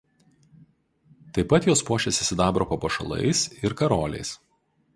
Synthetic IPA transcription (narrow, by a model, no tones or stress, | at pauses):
t̪ɐɪpɐt̪joːspuɔʃʲɛsʲɪsʲɪd̪ɑːbɾokoːpɐʃɐ̰lˠɐ̰ɪsɪɾkɐɾoːlʲɛ̰ɪs